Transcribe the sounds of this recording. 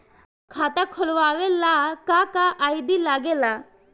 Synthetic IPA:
kʰat̪akʰɔlʋaʋelakakaʔːjd̪ilaɡela

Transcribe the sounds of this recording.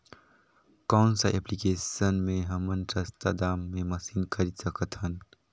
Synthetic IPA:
kawnsaʔeplikesənmeɦɐmənʈɾɐst̪a̰d̪amːemɐsinkʰəɾisəkət̪ɦən

